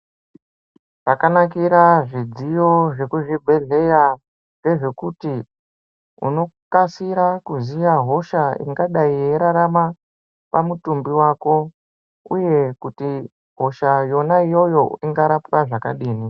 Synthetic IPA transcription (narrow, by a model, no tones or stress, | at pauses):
ʐakanakiɾaʐid͡zijo̞ʐe̞kuʐibʱe̞ɮe̞ja | nde̞ʐe̞kuti | ṵno̞kasiɾakuzijaɦo̞ʃaḭŋɡaɗaijeɾaɾama | pamutumbiwako̞ | ṵje̞kuti | ɦo̞ʃajo̞naijo̞jo̞iŋɡaɾapraʐakaɗiːni